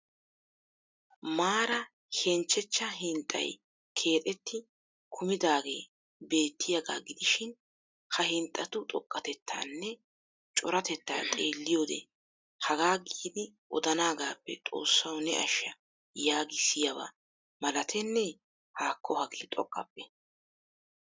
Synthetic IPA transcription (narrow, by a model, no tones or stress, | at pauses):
maːɾɐ | hɛnt͡ʃːɛt͡ʃːɐɦɪnt̪ʼːɐ̰j | kʰe̞ːt̪ʼɛt̪ːɪ | kʰʊmɪd̪aːɡe̞̰ː | be̞ːt̪ːɪjɐɡaːɡɪd̪ɪʃɪn | hɐhɪnt̪ʼːɐt̪ʊt̪ʼɔkʼːɐt̪ɛt̪ʰːa̰ːnːɛ | t͡ʃʼɔɾɐt̪ɛt̪ːa̰ːt̪ʼeːlːɪjoːd̪ɛ̰ | hɐɡaːɡiːd̪ɪʔɔd̪ɐnaːɡaːpːɛ̰t̪ʼo̞̰ːsːɐwnɛ̰ʔɐ̰ʃːɐ | jaːɡɪsɪjɐβa̰ | mɐlɐt̪ʰɛnːɛ | haːkʰːɔhɐɡeːt̪ʼɔkʼːɐpːɛ